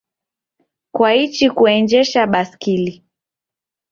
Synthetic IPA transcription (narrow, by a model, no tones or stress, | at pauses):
kwait͡ʃikuɛnd͡ʒɛʃaɓaskili